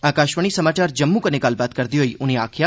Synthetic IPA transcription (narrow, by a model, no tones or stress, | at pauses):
aːkaʃʋəɳ̃isəmaːt͡ʃaːɾd͡ʒəmːukənekaːlbaːt̪kəɾd̪iɦoiʔʊneaːkʰja